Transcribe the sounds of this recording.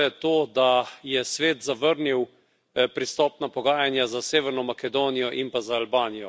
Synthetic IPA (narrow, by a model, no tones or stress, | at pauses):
ɛt̪oːd̪ajɛsʋeːt̪zaʋəɾniw | pɾist̪ɔːpnapɔɡaːjanjazaseːʋɛɾnɔmakɛd̪oːnijɔʔimpazaːlbaːnijɔ